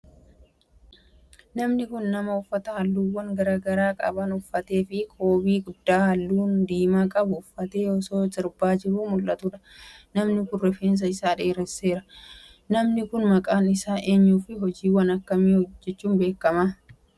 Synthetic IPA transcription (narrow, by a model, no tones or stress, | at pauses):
nɐmnɪkʊnːɐmɐʊfːɐt̪ɐhɐlːuːwːɐŋɡɐɾaːɡɐɾaːkʼɐ̰bɐnʊfːɐt̪e̞ːfɪkʰo̞ːbiːɡʊd̪ːaːhɐlːuːnd̪iːmaːkʼɐbʊːfːɐt̪e̞ːɔso̞ːt̪ʼɪɾbaːd͡ʒɪɾuːmʊlʔɐt̪ʊᶑɐ̥nɐmnɪkʊrːɛfeːns̬ɐɪsaːᶑeːɾɛse̞ːɾɐ | nɐmnɪkʊnmɐkʼaːnɪsaːʔe̞ːɲːuːfɪɦɔd͡ʒiːwɐnɐkːɐmiːɔd͡ʒːɛt͡ʃːuːmbe̞ːkːɐma